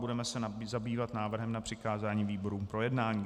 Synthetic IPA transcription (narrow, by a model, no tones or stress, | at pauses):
budɛmɛsɛzabiːvat̪naːvr̩ɦɛmnapr̥ɪkaːzaːɲiːviːbo̞ɾuːpɾo̞jɛdnaːɲiː